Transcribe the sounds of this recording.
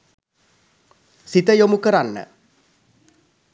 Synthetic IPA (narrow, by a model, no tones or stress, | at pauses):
sit̪əjomukəɾanːə̰